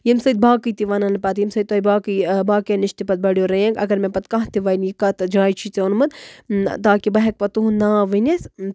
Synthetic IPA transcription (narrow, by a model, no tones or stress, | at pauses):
jimsɐjd̪̚baːkɨjt̪iʋɐnɐnɨpɐt̪jimsɐd̪t̪oibaːkibaːkjeniʃt̪ipɐt̪̚bɐɽijoːɾɐẽːŋkɐ̰ɡɐɾmẽpɐt̪kɐɦt̪iʋɐːnjikɐt̪d͡ʒaːjt͡ʃʰit͡seunmɨd̪t̪aːkibɐɦɛk̚pɐt̪uɦũnaːʋɨnʲes